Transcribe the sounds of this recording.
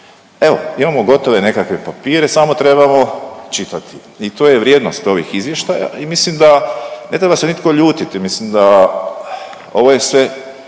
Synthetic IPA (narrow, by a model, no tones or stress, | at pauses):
e̞ʋo̞̰imamo̞ɡo̞t̪o̞ʋe̞ne̞kakʋe̞papiːɾe̞samo̞t̪ɾe̞bamo̞t͡ʃit̪at̪ʰi | it̪oːjeʋɾjeːd̪nost̪o̞ʋḭxizʋje̞ʃt̪aja̰ʔimislimd̪ane̞t̪ɾe̞base̞nit̪̚ko̞ʎuːt̪it̪imislimd̪a | o̞ʋo̞je̞sʋe̞